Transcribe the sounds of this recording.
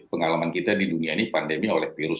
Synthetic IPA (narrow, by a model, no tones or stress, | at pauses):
pəŋalamankit̪adiduniainipandemiolɛhfiɾʊs